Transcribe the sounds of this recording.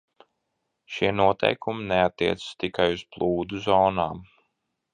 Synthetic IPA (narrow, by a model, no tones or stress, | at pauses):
ʃiɛnuɔt̪ʰɛ̰jkʰumineat̪ːiɛt̪sɨ̥st̪ikajuz̥plˠuːd̪uzɔːnaːm